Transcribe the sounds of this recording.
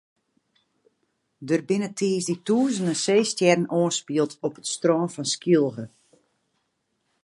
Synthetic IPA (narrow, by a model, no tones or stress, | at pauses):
dərbɪnətʰiːsdituːzənəseːstjɛrn̩ʔoənspiəlˠtʰɔpətstroːnfɔnskilˠɣə